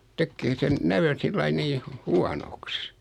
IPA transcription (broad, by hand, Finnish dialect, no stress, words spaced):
tekːeː sen næʋøn̞ silːɑi niː hu huɑnoks